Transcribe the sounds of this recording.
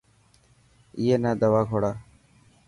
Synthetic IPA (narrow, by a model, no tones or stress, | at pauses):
ijeːnaːd̪əʋaːɡʱoɽaː